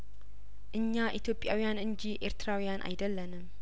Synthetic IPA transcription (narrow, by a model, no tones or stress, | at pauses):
ʔɨɲːaʔit̪ʰjo̞pʼjawijanɨnd͡ʒiʔeɾt̪ɾawijanʔa̰jd̪əlːənɨm